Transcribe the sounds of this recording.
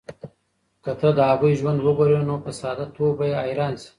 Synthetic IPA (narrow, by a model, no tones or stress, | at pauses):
kət̪əd̪əaɣujʒwand̪wəɡoɾenopəsɑːd̪at̪wobajeɑjɾɑːns